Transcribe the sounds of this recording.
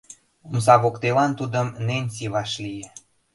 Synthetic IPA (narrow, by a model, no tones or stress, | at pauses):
omsɑβokt̪elɑnt̪ud̪ə̆mnenʲsiβɑʃlije